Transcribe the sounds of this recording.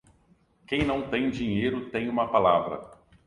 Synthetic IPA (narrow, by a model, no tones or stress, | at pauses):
kẽj̃nɐ̃w̃t̪ẽj̃d͡ʒĩɲejɾʊt̪ẽj̃ũmɐpalavɾɐ̰